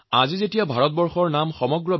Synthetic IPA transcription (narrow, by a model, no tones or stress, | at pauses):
azizetijabʱaɹɔt̚bɔɹxɔɹnamxɔmɔɡɹɔ